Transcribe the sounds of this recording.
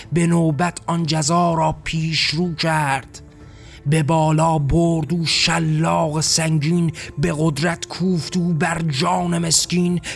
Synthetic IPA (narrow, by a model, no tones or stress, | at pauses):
be̞noːbæt̪ʰɒnd͡ʒæzɒːɾɒːpʰiːʃɾuːcʰæɾd̪̥ | be̞bɒːlɒːboɾd̪uːʃælːɒːɣesæŋɟiːnbe̞ɣod̪ɾæt̪kʰuːft̪uːbæɾd͡ʒɒːneme̞skiːn